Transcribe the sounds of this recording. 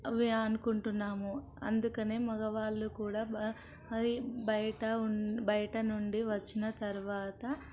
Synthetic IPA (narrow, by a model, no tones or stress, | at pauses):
ʋeɐnukuɳʈunːaːmu | ɐ̰nd̪ukɐne̞ːmɐɡɐʋaːɭːukuːɽaː | ibɐjɐʈɐbɐjɐʈɐnuɳɖiʋɐt͡ʃːinɐt̪ɐɾuʋaːt̪ɐ